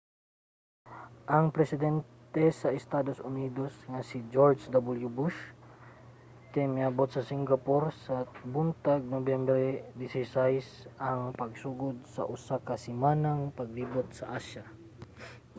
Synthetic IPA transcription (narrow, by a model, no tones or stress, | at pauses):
ʔɐŋpɾɛsɪd̪ɛnt̪ɛsɐɛst̪ad̪osʊnid̪osŋasid͡ʒoɾd͡ʒd̪abuljubuʃ | k̪ɛmiabot̪̚sɐsiŋɡapoɾsɐbunt̪aɡ̚nobjɛmbɾɛd̪isɛjsajsɐŋpɐɡsuɡʊd̪̚sɐ̰ʔusakɐsɪmanaŋpɐɡ̚libot̪̚sɐʔaʃja